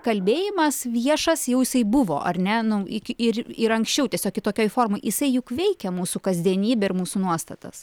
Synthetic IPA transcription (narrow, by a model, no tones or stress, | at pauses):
kɐlʲbʲeːjɪmɐsʋʲiɛʃɐsjɛʊjɪsɐɪbʊʋo̰ːʔɐrʲnʲɛnʊɪkʲɪɾɪɾɐŋksʲt͡ʃʲɛʊt̪ʲiɛsʲoːkʲɪt̪oːkʲoːjfoːrmojjɪsɐɪjʊkʋʲɛɪkʲɛmuːsʊkɐzʲd̪ʲiɛnʲiːbʲɛɪɾmuːsunuɔst̪ɐt̪ɐ̰s